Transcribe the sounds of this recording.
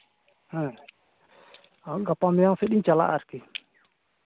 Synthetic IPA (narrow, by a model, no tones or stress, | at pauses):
hɛ̃ | aɡapamɛjaŋsɛɗiɲt͡ʃala̰ʔaɾki